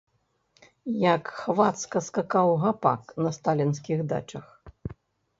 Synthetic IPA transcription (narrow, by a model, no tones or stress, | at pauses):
jɐkxvat̪skɐskakawɣapa̰knɐst̪alʲinsʲkʲiɣd̪a̰t͡ʂɐx